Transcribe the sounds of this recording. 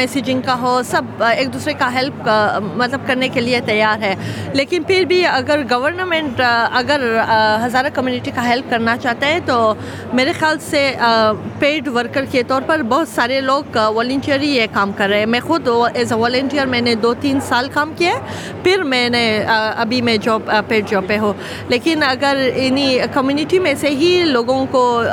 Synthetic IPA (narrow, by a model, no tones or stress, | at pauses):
mɛːsiːd͡ʒɪ̃ŋɡkaɦosɐb̚eːk̚d̪uːsɾekaɦɛlp̚mɐt̪ləb̚kɐɾnekeliet̪ɐjːaːɾɦɛːleːkɪnpɪɾbʱiɐɡəɾɡɐʋəɾnəmɛ̃ɳʈɐɡəɾɦɐzaːɾakɐmjuːnɪʈikaɦɛlp̚kɐɾnat͡ʃaːɦt̪eɦɛ̃t̪o | meːɾexjaːlse | peːɖʋəɾkəɾket̪ɔːɾpɐɾbɔɦʊt̪saːɾeloːɡʋɔːlə̃ɳʈijəɾiekaːmkɐɾːɐɦẽmɛ̃xʊd̪ɛːzəʋɔːlə̃ɳʈiːəɾmɛ̃ːned̪oːt̪iːnsaːlkaːmkija | pɪɾmɛ̃ːnẽɐbʱimẽd͡ʒɔːbpːeːɖ̚d͡ʒɔːbpẽɦoː | leːkɪnɐɡəɾɪnikɐmjuːnɪʈimẽseɦiloːɡõko